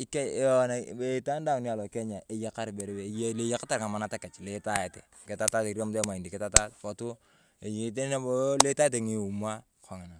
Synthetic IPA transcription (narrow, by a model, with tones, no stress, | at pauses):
i˦kɛ˦e˦ɔ˦na˨e˨˦i˦ta˦n˦da˦˨ŋni˦a˨lɔ˨kɛ˦ɲa˨e˨je˦ka˦ɾbe˨ɾe˦be˨jle˦ja˦ka˦ta˨ɾŋa˨ma˨na˦ta˨kɛ˨t͡ʃle˨˦ta˦e˨tḛ˨ | ke˨ta˦ta˦te˨ɾa˦m˦te˦ma˨i˨ndi˨kɛ˦ta˦ta˦tpɔ˨tu˦ | e˨ji˨te˦n˦n˦le˦ta˦e˦t̬e˨ŋi˨u˨ma˦ | kʰa˨ŋa˨na˨